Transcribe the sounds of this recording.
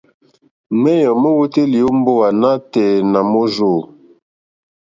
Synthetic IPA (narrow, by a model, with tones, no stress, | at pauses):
mɛ˦jɔ˨mə˦wu˦te˦li˨o˦m̩˦bo˦wa˨na˦tɛː˨na˨mo˦zo˦˨